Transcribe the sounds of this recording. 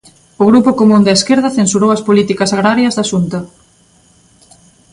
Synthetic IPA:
ʊɣɾupʊkomũnd̪aeskeɾðɐθensuɾowɐspolit̪ikɐsaɣɾaɾjɐzðaʃunt̪ɐ

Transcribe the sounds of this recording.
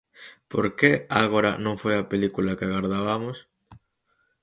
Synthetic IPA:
po̰ɾkeaɣoɾa̰nõŋfojapelikulakɪaɣaɾðaβamos

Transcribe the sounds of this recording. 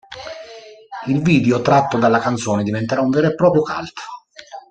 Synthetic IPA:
ilviːd̪eot̪ɾat̪ːod̪alːakant̪sɔːned̪ivent̪eɾauɱveɾepːɾɔːpɾjoka̰lt̪

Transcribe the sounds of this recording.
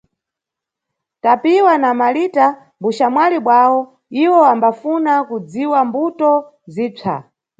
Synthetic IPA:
tapiwanamalita | mbuʃamwaliɓwawɔ | iwɔambafunakud͡ziwambutɔ | ziːt͡sʰa̰

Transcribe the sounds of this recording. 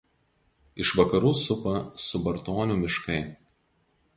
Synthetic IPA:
ɪʃʋɐkɐɾuːsʊpɐsʊbɐɾt̪oːnʲʊmʲɪʃkɐɪ

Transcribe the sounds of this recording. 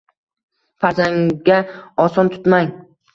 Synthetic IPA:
faɾzaŋɡʲaɒsɒnt̪ʰʊ̥t̪maŋ

